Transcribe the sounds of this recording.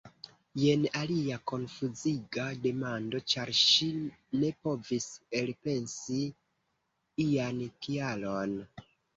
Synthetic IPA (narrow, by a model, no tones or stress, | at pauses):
je̞naliako̞nfuziɡade̞mando̞t͡ʃaɾʃine̞po̞viselpe̞nsi | ijankialo̞n